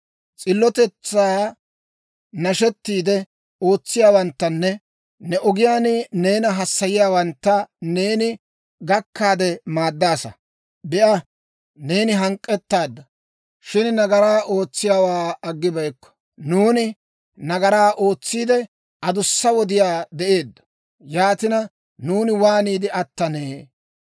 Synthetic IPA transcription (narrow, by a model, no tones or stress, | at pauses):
t͡sʼɪlːɔt̪ɛt͡sːaː | nɐʃɛt̪ːiːd̪ɛ | o̞ːt͡sːɪjaːwɐnt̪ːɐnːɛ | nɛʔɔɡɪjaːnɪne̞ːnɐɦɐsːɐjɪjaːwɐnt̪ːɐne̞ːnɪ | ɡɐkːaːd̪ɛmaːd̪ːaːsɐ̰ | bɛʔɐ | ne̞ːnɪɦɐŋkʼːɛt̪ːaːd̪ːɐ | ʃɪnnɐɡɐɾaːʔo̞ːt͡sːɪjaːwaːɐɡːɪbɐjkːɔ̥ | nuːnɪ | nɐɡɐɾaːʔo̞ːt͡sːiːd̪ɛ | ʔɐd̪ʊsːɐwɔd̪ɪjaːd̪ɛʔe̞ːd̪ːɐ̥ | jaːt̪ɪnɐ | nuːnɪwaːniːd̪ɪʔɐt̪ːɐneː